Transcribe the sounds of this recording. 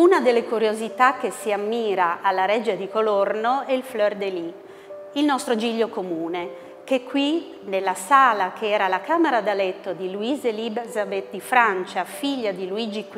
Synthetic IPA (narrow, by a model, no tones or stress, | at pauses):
unad̪elːekuɾjozit̪ak̟ːesiamːiːɾaʔalːaɾɛd͡ʒed̪ikolornoɛilflɔrd̪eli | ilnɔst̪ɾod͡ʒiʎːokomuːne | kekːwi | nelːasaːlakʰeɛːɾalakaːmeɾad̪alɛt̪ːod̪iluizelibzabet̪̚d̪ifɾant͡ʃafiʎːad̪iluid͡ʒik